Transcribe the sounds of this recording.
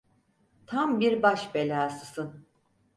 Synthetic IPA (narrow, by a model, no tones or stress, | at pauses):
t̪ʰambiɾbaʃbelʲaːsɯsɯn